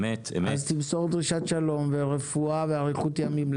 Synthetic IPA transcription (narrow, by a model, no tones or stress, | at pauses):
met̪emazt̪ibsoʁd̪ʁiʃat̪ʃalo̞mveʁefuaveaʁiχut̪jamiml